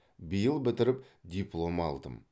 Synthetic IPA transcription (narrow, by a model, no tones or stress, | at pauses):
bijəlˠbɪt̪ɪɾɪp | d̪ʲijplˠo̞mɑ̰lˠd̪ə̰m